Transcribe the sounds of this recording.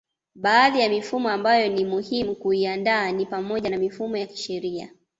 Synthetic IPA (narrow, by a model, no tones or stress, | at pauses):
ɓaːðijamifumɔambajɔnimuhimukuiandaːnipamɔʄanamifumɔjaki̥ʃɛɾia̰